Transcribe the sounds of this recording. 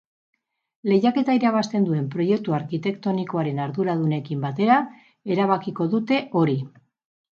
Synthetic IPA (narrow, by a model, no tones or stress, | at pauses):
le̞jake̞t̪aiɾaβ̞ast̪e̞nd̪ue̞mpɾo̞je̞k̚t̪uaɾkit̪e̞kt̪o̞niko̞aɾe̞naɾðuɾaðune̞kimbat̪e̞ɾa | e̞ɾaβ̞akiko̞ðut̪e̞ʔo̞ɾi